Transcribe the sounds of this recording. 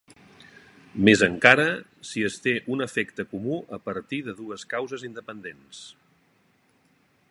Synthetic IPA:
mezəŋkaɾəsiəst̪eʔunəfɛkt̪əkumuʔəpəɾt̪iðəðuəskawzəzind̪əpənd̪ens

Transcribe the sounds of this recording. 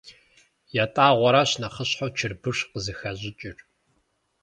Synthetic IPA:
jaːtʼaːʁʷɔɾaɕnɐχəɕħowt͡ʃʰɪrbɨʂqəzɨxɐʑɪt͡ʃʼɪr

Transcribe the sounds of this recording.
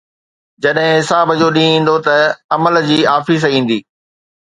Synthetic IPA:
d͡ʑɐɗɦɪ̃ɦɪsaːbəd͡ʑoːɗĩːĩːn̆d̪ot̪ɐɐməld͡ʑiːaːfis̬ĩːn̆d̪iː

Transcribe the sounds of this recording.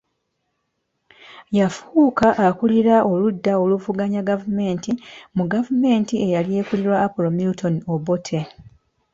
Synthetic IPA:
jafuːkaʔːkuliɾaʔo̞ludːao̞luvuɡaɲaɡavume̞ːntimuɡavume̞ːntie̞jalje̞ːkuliɾwaːpolomilutʰo̞niobotʰe̞

